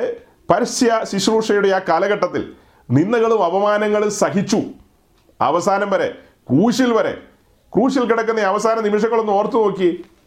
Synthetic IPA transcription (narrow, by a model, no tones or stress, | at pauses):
pɐɾisjɐɕiɕruːʂɐjuɽe̞aːkɐlɐɣɐʈːɐt̪ːḭl | ninːɐɣɐɭumɐʋɐmaːnɐŋːɐɭilsɐɦit͡ɕːu | ɐ̰ʋɐsaːnɐmbɐɾe̞̰ | kruːɕilʋɐɾe̞̰ | kruːɕilkiɽɐk̬ːunːɐɐʋɐsaːnɐnimiʂ̬ɐŋːɐɭo̞nːuo̞ːrt̪ːuno̞ːkːi